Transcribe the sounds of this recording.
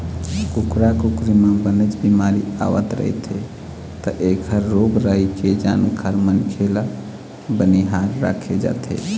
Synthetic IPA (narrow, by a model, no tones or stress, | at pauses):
kukɾakukɾimabənət͡ʃbimaɾia̰ʋə̰t̪ɾə̰ɦḭt̪ʰḛ | t̪əʔekʰəɾːoɡɾajked͡ʒa̰nkʰaɾmənkʰela | bəniɦaɾːa̰kʰed͡ʒa̰t̪ʰḛ